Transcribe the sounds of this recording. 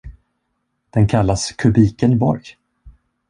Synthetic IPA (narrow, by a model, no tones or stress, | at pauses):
d̪̥ɛnkʰalːaskʰɵbiːkənbɔ̰ɾj